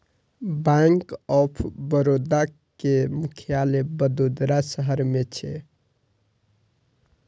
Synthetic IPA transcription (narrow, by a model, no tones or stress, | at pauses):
bãŋkɔpʰbəɾod̪a | kemukʰjalebəd̪od̪ɾasəɦəɾmet͡ʃʰe